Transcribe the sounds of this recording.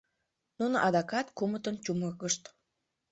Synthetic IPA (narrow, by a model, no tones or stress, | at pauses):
nunoʔɑd̪ɑkɑt̪kumət̪ənt͡ɕuməkəʃt̪